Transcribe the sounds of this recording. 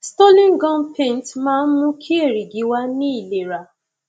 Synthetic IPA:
stɔ˦lĩ˦nɡɔ̃˦npʰẽ˦˨n˨tmãː˦n̩˦mũ˦kʰi˦e˦˨ɾi˨ɡi˨˦wa˦nĩ˦i˦˨le˨ɾa˨

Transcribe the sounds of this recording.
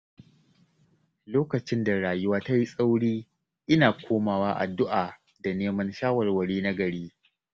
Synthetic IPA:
loː˦kɐ˨t͡ʃɪ˦nda˨ɽaː˨jʊ˦waː˦ta˦ji˦sʼa˦wɽiː˦ | ʔɪ˦naː˨kʷʰoː˦maː˨waː˦ʔa̰˨dʊ˦ʔaː˨ | da˨neː˦mɐ˦nʃaː˦wɐ˨rwɐ˨ɽiː˦na˦ɡɐ˨ɽiː˦

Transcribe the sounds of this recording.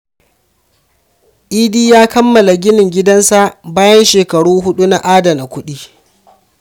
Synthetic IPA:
ʔiː˦diː˦jaː˦kɐ˦mːɐ˨la˨ɡʲɪ˦nɪ˨ŋɡʲɪ˦dɐ˦nsa˨ʔbaː˦jɐ˦nʃeː˨kɐ˨ɽuː˦ɦʊ˦ɗu˦na˨ʔaː˦dɐ˨na˨kʷʊ˦ɗiː˦

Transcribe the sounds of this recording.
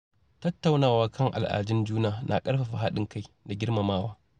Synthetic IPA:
tɐ˦tːa˨wnaː˨waː˦kɐ˦ŋʔa̰˨lʔa̰ː˨d͡ʒɪ˦nd͡ʒuː˦naː˨nʔa̰˨kʼɐ˦ɽɸa˨ɸa˨ɦa˦ɗɪ˨ŋka˦j | da˨ɡʲɪ˦ɽma˨maː˦waː˦

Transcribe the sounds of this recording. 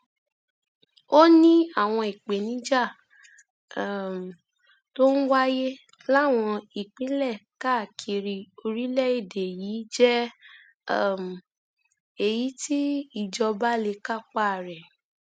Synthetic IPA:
o˦nĩ˦a˦˨w̃ɔ̃˧i˨k͡pe˨nĩ˨˦d͡ʒa˦˨ | to˦n̩˦wa˦je˦ | la˦˨w̃ɔ̃˧i˨k͡pĩ˨˦lɛ˦˨ka˦˨kʰi˧ɾi˧o˧ɾi˦lɛ˦˨i˦˨de˨ji˨˦d͡ʒɛ˦˨ | m˨ | e˨ji˨˦ti˦i˦˨d͡ʒɔ˧ba˦le˧ka˦˨k͡pa˦˨ɾɛ˨

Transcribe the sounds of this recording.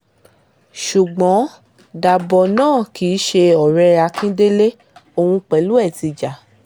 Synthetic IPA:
ʃu˨ɡ͡bɔ̃˨˦ | da˨bɔ˧nãː˦˨ki˨˦ʃe˧ɔ˨ɾɛ˧ɾa˧kĩ˦de˦le˦ | o˧hũ˧k͡pɛ˨˦lu˦ɛ˦˨ti˧d͡ʒa˨

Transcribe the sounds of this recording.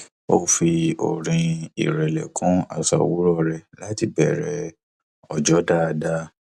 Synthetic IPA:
o˦˨fi˧o̰˨ɾĩ˧ḭ˨ɾɛ˨lɛ˨kʰũ˦a̰˨sa̰˨wu˦ɾɔ˦ɾɛ˧˨la˨˦ti˦bɛ˨ɾɛ˨˦ | ɔ˨d͡ʒɔ˦da˦˧da˦

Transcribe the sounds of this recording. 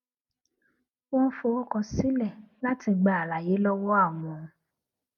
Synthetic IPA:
wɔ̃˦fo˧o˦kɔ˧si˦lɛ˦˨la˦ti˧ɡ͡ba˨a˨la˨je˨˦lɔ˦wɔ˦a˦˨w̃ɔ̃˧

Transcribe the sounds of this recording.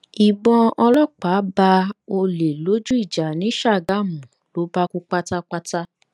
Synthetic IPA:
i˨ɡ͡bɔ̃˧ɔ˧lɔ˦k͡pa˨˦ba˧o˧le˨lo˨˦d͡ʒu˦i˦˨d͡ʒa˨nĩ˨˦ʃa˦˨ɡa˦˨mũ˨lo˨˦ba˦ku˦k͡pa˦ta˦k͡pa˦ta˦

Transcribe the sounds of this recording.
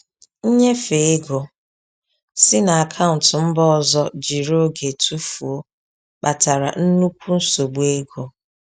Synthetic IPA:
n̩˦ɲe˦fe˨e˦ɡo˨ | sɪ˦na˨a˨kʰa˦ʊ˨n̩˨tʊ˨m̩˦bɔ˦ɔ˨zɔ˦d͡ʒi˨ɾo˦ɡe˨tʰu˦fu˨o˦ | k͡pa˨ta˨ɾa˨n̩˦nu˦kʷu˦n̩˦so˨ɡ͡be˦ɡo˨

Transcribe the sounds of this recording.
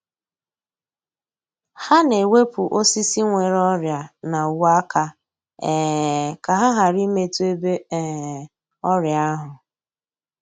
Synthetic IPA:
ha˦ne˨we˦pu˨ʔo˦si˦si˦ŋʷe˨ɾɔ˦ɾja˨na˨wa˦kʰa˦ | ɛ˨ka˨ɦa˦ɦa˨ɾi˦me˦tu˦e˦be˦˨ | ɔ˦ɾja˦ɦʊ˨

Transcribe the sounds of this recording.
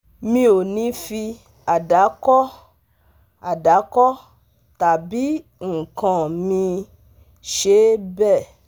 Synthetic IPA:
mĩ˧o˨nĩ˨˦fi˧ | a˨da˨˦kɔ˦ | a˨da˨˦kɔ˦ | ta˨bi˨˦ | ŋ̩˨kã˨mĩ˧ | ʃe˨˦bɛ˦˨

